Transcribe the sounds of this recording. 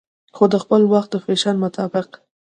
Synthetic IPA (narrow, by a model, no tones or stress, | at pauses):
xod̪əxpəlwaxt̪̚d̪əfeʃɑnmʊt̪ʰɑbɪq̚